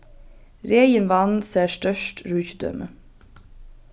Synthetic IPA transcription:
ɾeɪjənʋɑnseːʃtœʃtɹʉːçd̪œ̰mʔə

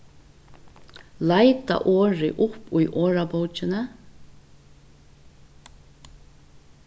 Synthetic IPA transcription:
laɪt̪a̰ʔoːɹɪ̰ʔʊpːʊjʔoːɹapowt͡ʃɪnə

